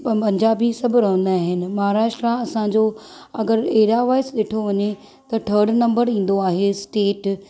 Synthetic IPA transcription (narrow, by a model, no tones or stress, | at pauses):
pɐpɐ̃ɲd͡ʑaːbisɐbʱɪɾõːnd̪aːɦɪnɪ̆mɐɦaːɾaːʃʈɾaɐsãɲd͡ʑo | ɐɡəɾeɦɾiaʋaːɪsɗeːʈʰoʋɐɲe | t̪ɐʈʰəːɾɖnɐ̃mbəɾĩːn̆d̪oaːɦesʈeːʈ